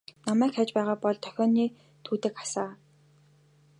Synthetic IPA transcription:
namæːkxaːt͡ɕpæːʁaːpɔɮt̪ʰœ̥xʲɔːniː | t̪ʰuːt̪ɘ̆kḁsaː

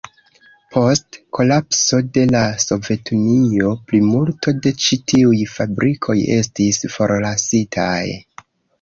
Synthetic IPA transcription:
pʰo̞stkʰo̞lapso̞de̞laso̞ve̞tunio̞plimultʰo̞de̞t͡ʃitʰiujfabɾʔikʰo̞je̞̰stisfo̞ɾlasitʰa̰j

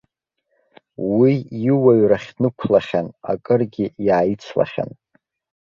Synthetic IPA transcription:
wijɪwaɥraχʲnɨkʷʰlaχʲana̰kʼɨrɡʲijaːjit͡sʰla̰χʲa̰n

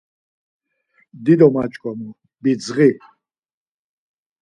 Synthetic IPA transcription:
d̪id̪ɔmat͡ʃʼkʼwamu | bid͡zʁi

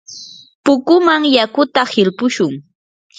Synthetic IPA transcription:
pʊkʊmaŋjakʊt̪ahɪlpʊʃʊŋ

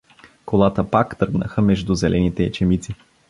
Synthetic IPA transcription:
kolˠat̪əpakt̪ɤɾɡnə̰xəmɛʒd̪uzɛlʔɛnit̪ɛːt͡ʃɛmit̪si

